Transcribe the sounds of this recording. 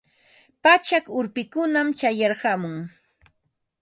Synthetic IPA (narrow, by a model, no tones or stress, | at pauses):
pat͡ʃakʊɾpɪkʊnamt͡ʃajɑɾɢɑmʊŋ